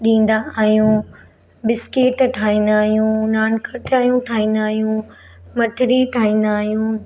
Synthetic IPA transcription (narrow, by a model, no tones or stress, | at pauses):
ɗĩːn̆d̪aaːɦijũ | bɪskeʈʈʰaːɦĩːnd̪aːɦijũnaːnkʰəʈaːɦijũʈʰaːɦĩːnd̪aːɦijũ | mɐʈʰɪɾiʈʰaːĩːnd̪aːɦjũː